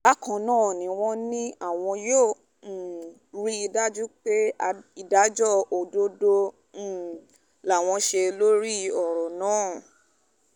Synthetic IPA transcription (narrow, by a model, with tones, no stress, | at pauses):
ba˦kɔ̃˨nãː˦˨nĩ˨w̃ɔ̃˦nĩ˦a˦˨w̃ɔ̃˧jo˦˨ | ɾi˦i˧da˦d͡ʒu˦k͡pe˦a˧i˨da˨˦d͡ʒɔ˦o˨do˦dõ˧˦˨ | la˨w̃ɔ̃˧ʃe˧lo˦ɾi˦ɔ˨ɾɔ˨nãː˨˦˨